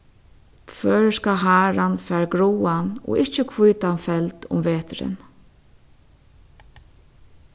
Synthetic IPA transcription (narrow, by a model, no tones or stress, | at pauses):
fœːɹskaɦaːɹanfæːɹɡɾuwanɔ̰ːʔɪht͡ʃəkʰvujt̪anfɛlt̪ʊ̰mʋeːt̪ɾɪ̰n